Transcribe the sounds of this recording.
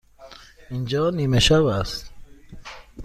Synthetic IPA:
ind͡ʒɔːnimeʃavast̪

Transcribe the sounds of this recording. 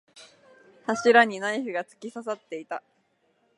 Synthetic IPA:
haɕiɾaɲ̟inaiçɯ̟ɡat͡sɨ̥kʲisas̬at̪ːe̞it̪a

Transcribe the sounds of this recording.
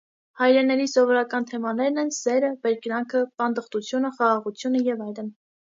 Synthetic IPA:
hɑjɾɛnɛɾisɔvɔɾɑkɑnt̪ʰɛmɑnɛɾnɛnsɛɾəbɛɾknɑŋkʰəpɑnd̪əχt̪ut͡sʰjunəχɑʁɑʁut͡sʰjunəjɛvɑjlən

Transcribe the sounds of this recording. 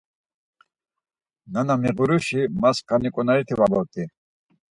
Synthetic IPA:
nanamiʁuɾuʃimaskʰanikʼɔnaɾit̪ʰivabɔt̪ʼi

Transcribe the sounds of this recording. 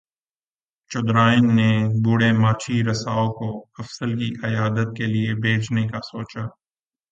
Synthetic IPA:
t͡ʃʊd̪ɾaːɪnːebʊɽemaːt͡ʃʰiɾɐsaːokoɐfsəlkiʔɪjaːd̪ət̪̚keliebʱeːt͡ʃnekasoːt͡ʃaː

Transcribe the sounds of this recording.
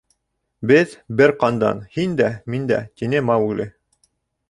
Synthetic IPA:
bɘðbɘɾqɑnd̪ɑ̰nhind̪æmind̪æ̰t̪inɘmɑwʉɡlɘ

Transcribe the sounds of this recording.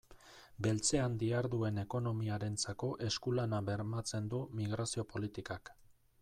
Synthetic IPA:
be̞lt͡se̞and̪iaɾðue̞ne̞ko̞no̞miaɾe̞nt͡sako̞ʔe̞skulanaβe̞ɾmat͡se̞nd̪umiɣ̞ɾasio̞po̞lit̪ikak

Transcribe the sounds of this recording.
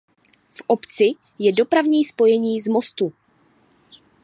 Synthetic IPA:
fʔopt͡sɪ | jɛdo̞pɾavɲiːspo̞jɛɲiːzmo̞st̪u

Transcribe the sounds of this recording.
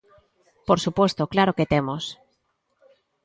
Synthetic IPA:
poɾsupwest̪oklaɾoket̪emos

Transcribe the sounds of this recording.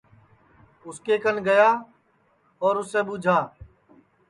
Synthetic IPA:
ʊskeːkənɡəjaː | ɔːɾʊsːeːɓuːd͡ʒʱaː

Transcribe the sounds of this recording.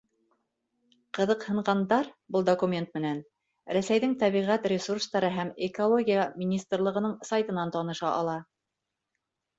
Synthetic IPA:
qɤ̆ðɤqhɤ̆ɴɢɑnd̪ɑɾbɤlˠd̪okumʲe̞nt̪̚mɘ̆næn | ɾæsæjðɘŋt̪æβiʁæt̪rʲɪsurst̪ɑɾɤɦæmɪkolˠoɡʲijəmʲɪnʲist̪rlˠɤ̆ʁɤ̆nɤɴsajt̪ɤ̆nɑnt̪ɑnɤ̆ʃɑʔɑ̰lˠɑ

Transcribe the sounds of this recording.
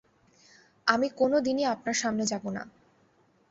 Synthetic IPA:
amikonod̪iniapnaɾʃamned͡ʑabona̰

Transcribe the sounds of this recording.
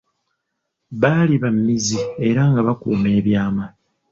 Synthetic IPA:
βaːliβamːizie̞ɾaŋɡaβakuːme̞ːβjaːma

